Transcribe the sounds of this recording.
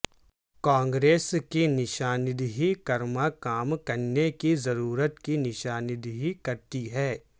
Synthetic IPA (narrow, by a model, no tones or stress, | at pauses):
kãːŋɡɾeːskinɪʃaːnɪd̪ɦikɐɾmakaːmkɐɾnekizɐɾuːɾət̪kinɪʃaːnɪd̪ɦikɐɾt̪iɦɛː